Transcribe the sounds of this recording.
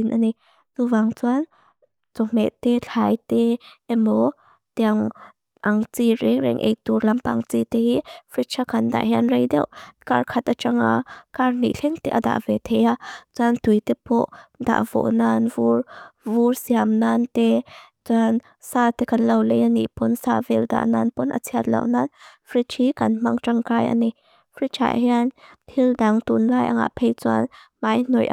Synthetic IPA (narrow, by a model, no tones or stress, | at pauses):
inʔani | nuvaŋt͡suan | t͡sɔm̥ɛt̪ɛt͡ɬʰajt̪ɛʔɛmɔ | t̪ɛaŋ | ʔaŋt͡siɾɛŋɾɛ̰ŋʔɛ̰jt̪uɾlampaŋt͡sit̪ɛhifit͡ʃʰakʰand̪a̰ʔɦiʔanrejd̪ɛ̰wʔkarkʰat̪̚at͡ʃaŋa̰karnḭʔɬʰɛŋt̪ɛʔa̰d̪a̰ʔvɛt̪ʰɛjat͡suant̪ujt̪ɛpɔʔd̪a̰ʔvɔ̰ʔnanvurvursiamnant̪ɛ | t͡san | saːt̪ɛkanlɐwlɛjʔaniʔpɔnsaːvɛlda̰ʔnanpɔnʔa̰t͡sʰiat̪̚lɐ̰wnanfɾit͡ʃʰikɐnm̥aŋt͡ʃaŋkajʔa̰ni | fʰɾit͡ʃʰa̰ʔɦianhildaŋt̪unlaːjʔa̰ŋa̰pʰejt͡swa̰nmajnɔjʔa̰